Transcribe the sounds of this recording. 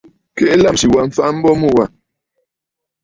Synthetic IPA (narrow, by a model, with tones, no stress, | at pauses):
kɛ˦˨˦la˦˨msi˨wa˦˨ɱ̩˨fa˦m̩˦bɔ˦mu˦˨wa˨